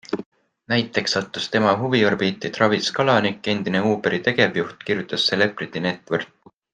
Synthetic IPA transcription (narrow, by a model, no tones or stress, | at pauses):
næjt̪ːˑe̞ksɑt̪ːˑust̪e̞mɑɦuviorbiːt̪ːˑit̪rɑviskɑlɑnikːˑe̞nd̪̥ine̞uːpeɾit̪e̞ɡ̥e̞vjuht̪kirjut̪ˑːɑsːele̞prit̪ːˑine̞t̪ːˑvɤrt̪̚